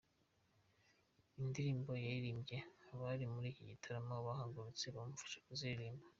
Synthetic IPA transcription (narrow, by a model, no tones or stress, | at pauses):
indiɾiːmbo̞jajiɾiːmbje̞aβaɾimuɾiːciɟitʰaɾamaβaɦaːŋɡuɾut͡seβamufḁʃḁkuziiɾiːmba